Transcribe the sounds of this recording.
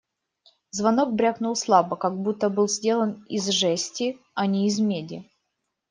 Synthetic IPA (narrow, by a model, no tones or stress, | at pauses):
zvɐno̞k̚bɾʲaknʊlˠslˠabəkaɡ̚but̪ːəbɨlˠzʲdʲe̞lˠənizʐɛsʲtʲɪ | ɐnʲɪːzmʲedʲɪ